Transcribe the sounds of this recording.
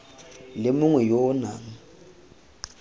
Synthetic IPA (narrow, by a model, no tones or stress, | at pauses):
lɪmuŋwɛjɔːna̰ŋ̩